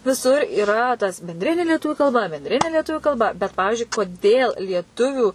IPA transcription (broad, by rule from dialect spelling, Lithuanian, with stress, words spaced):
ʋʲɪˈsʊr iːˈrɐ tɐs bʲɛnʲˈdʲrʲɪnʲeː lʲiɛˈtʊʋʲʊ kɐlˠˈbɐ bʲɛnʲˈdʲrʲɪnʲeː lʲiɛˈtʊʋʲʊ kɐlˠˈbɐ bʲɛt ˈpɑːʋʲɪʒʲʊɪ koːˈdʲeːlˠ lʲiɛˈtʊʋʲʊ